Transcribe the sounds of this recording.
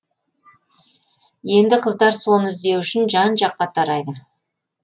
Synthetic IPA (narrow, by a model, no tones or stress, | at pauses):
je̞nd̪ɪqʰəzd̪ɑɾso̞nɪzd̪e̞wʏʃɪnʒɑnʒɑqːɑt̪ʰɑɾɑjd̪ə